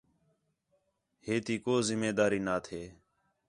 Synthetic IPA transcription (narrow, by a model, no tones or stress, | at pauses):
heːt̪iːkoːzɪmeːd̪aːɾiːnaːt̪ʰeː